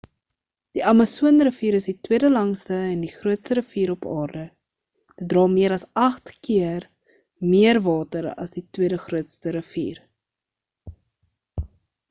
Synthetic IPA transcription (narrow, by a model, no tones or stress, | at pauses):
d̥iʔɐmɐsuənrəfiːɾəsditwiədəlɐŋstəɛndiχruətstəɾəfiːɾɔpɑːrdə | d̥ət̚drɑːmiəɾɐsɐχtkiər | miərvɑːtəɾɐ̰sditwiədəχruətstəɾəfḭːr